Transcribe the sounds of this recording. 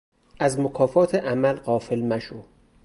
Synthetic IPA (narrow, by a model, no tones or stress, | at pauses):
ʔæzmokʰɒːfɒːt̪ʰeʔæmælɢɒːfe̞lmæʃo